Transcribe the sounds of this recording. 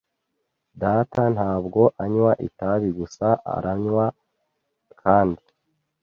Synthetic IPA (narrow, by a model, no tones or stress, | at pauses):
daːtan̥haːbɡo̞ʔaɲwaʔḭtaβiɡusaʔa̰ɾaɲwa | kʰaːndi